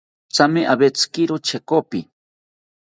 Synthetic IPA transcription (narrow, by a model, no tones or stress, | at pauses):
t͡samiʔabet͡skɪɾʊt͡ʃekopɪ